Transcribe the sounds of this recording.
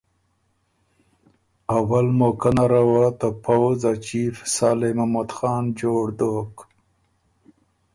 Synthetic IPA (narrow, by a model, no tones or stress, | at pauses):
awalmokənaɾawat̪əpʰawzat͡ʃiɾsɑːlemamad̪xɑːnd͡ʒoɽd̪ok